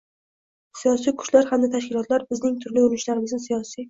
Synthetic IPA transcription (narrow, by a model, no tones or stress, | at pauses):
sijɒs̬ijkʰʊ̥ʃlaɾhamd̪at̪ʰaʃkʲɪlɒt̪laɾbɪznɪŋt̪ʰʊɾliʊɾɪnʃlaɾɪmɪzɪsijɒsij